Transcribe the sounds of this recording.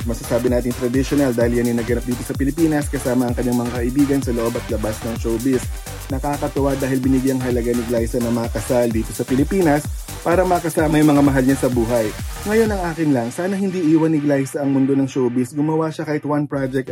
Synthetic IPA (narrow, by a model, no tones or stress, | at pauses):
mɐsɐsaːbɪnaːt̪ɪŋt̪ɾɐd̪ɪʃonɐld̪aːhɪljɐnɪnɐɡɐnap̚d̪iːt̪osɐpɪlɪpiːnɐskɐsaːmɐʔɐŋkɐɲːaŋmɐŋakɐʔɪbiːɡɐnsɐloʔo̞bɐt̪̚lɐbasnɐŋʃowbɪs | nɐkaːkɐt̪ʊʔad̪aːhɪlbɪnɪɡjɐŋɦɐlɐɡanɪɡlajsɐnɐŋmɐŋakɐsald̪iːt̪o̞sɐpɪlɪpiːnɐs | paːɾɐmɐkɐsaːmɐjʊmɐŋamɐɦalɲasɐbuːɦɐjŋɐjo̞nɐŋʔaːkɪnlɐŋsaːnɐhɪnd̪iːʔiːwɐnɪɡlajsɐʔɐŋmʊnd̪onɐŋʃowbɪsɡʊmɐwaʃakaːhɪt̪wanpɾad͡ʒɛk̚t̪